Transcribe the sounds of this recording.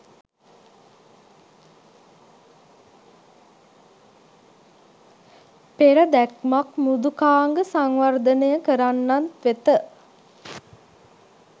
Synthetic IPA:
peɾəd̪ækmakmud̪ukaːŋɡəsaŋʋard̪ənəjəkəɾanːant̪ʋet̪ə

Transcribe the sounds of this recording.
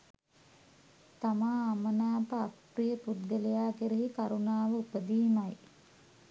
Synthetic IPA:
t̪amaːmənaːpəak | rijəpud̪̚ɡəlejaːkeɾeɦikaɾunaːʋəupəd̪iːmaj

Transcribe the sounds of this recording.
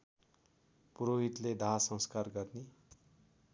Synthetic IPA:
puɾoɦit̪led̪ʱaɦsʌ̃ŋskarɡʌrne

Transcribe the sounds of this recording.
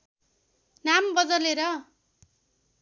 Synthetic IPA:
nambʌd̪ʌleɾʌ

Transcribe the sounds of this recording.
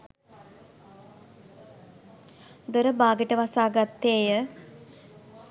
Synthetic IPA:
d̪oɾəbaːɡəʈəʋasaːɡat̪ːeːjə

